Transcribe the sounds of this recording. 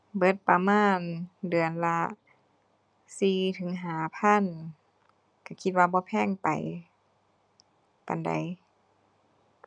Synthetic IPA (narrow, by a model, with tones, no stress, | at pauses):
bɤ˧t̪̚pa˧maː˧˥˨ndɯ˨˩ənla˧˥ | siː˧t̪ʰɯ˨˦ŋɦaː˨˩pʰa˧˥˨n | ka˧˩kʰi˧t̪̚waː˧bɔː˧˦pʰɛː˧˥˨ŋpa˨j | pa̰˨nda̰˨˩j